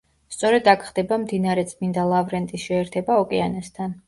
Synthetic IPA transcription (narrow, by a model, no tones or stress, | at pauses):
st̪sʼɔɾɛd̪akʰχd̪ɛbamd̪inaɾɛt̪sʼmind̪alˠavɾɛnt̪ʼisʃɛːɾt̪ʰɛbaɔkʼɛanast̪ʰan